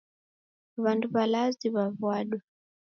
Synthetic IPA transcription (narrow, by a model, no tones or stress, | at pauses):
βanduβalaziβavwaɗwa